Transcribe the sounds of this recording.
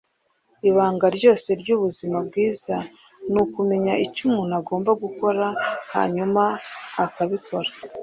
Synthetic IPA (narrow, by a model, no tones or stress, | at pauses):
iβaːŋɡaɾɟo̞ːse̞ɾɟuβuzimabɡiːz̥a | nukume̞ɲaʔicumŋunaɡo̞ːmbaɡuko̞ɾaha̰ːɲumaːkaβiko̞ɾḁ